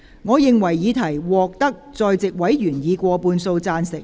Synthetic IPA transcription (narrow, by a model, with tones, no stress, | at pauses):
ŋɔː˨˧jɪ˨ŋwɐ˨˩jːiː˨˧t̪ʰɐ˨˩jwɔː˨k̚t̪ɐ˥k̚t͡sɔː˨˧jt͡sɪ˨k̚wɐ˨˥jjyː˨˩njiː˨˧kʷɔː˧puː˧nso˧wt͡saː˧nsɪ˨k̚